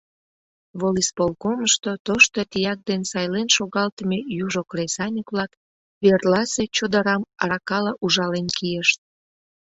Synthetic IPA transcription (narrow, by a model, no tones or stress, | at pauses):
βolispolkoməʃt̪ot̪oʃt̪ot̪ijɑk̚d̪ensɑjlenʃoɣɑlt̪əmejuʒokresɑnʲikβlɑk | βerlɑset͡ɕod̪əɾɑmɑɾɑkɑlɑʔuʒɑlenkijəʃt̪̚